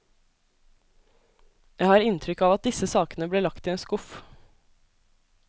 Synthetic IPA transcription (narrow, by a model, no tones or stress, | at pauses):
jæɪhɑːɾɪnt̪ʰɾʏkɑːʋɑt̪̚d̪ɪsəsɑːkənəbleːɭɑkt̪ʰɪeːnskʊf